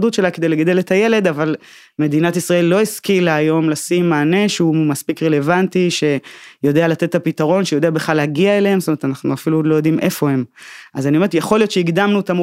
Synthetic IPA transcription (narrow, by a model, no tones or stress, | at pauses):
d̪ut̪ʃe̞laked̪e̞jleɡad̪e̞let̪aje̞le̞d̪aval | me̞d̪inatisʁae̞lːo̞iskilaːjo̞mlasimːaːne̞ʃumaspikʁe̞le̞vantiʃe̞jo̞d̪ealat̪et̪ːapit̪aʁo̞nʃejo̞d̪eabeχlaleaɡiaelehemstomeet̪anaχnuafilulo̞jo̞d̪imʔe̞fo̞hemazaniomet̪jeχo̞ljo̞t̪t͡ʃeiɡd̪amnut̪am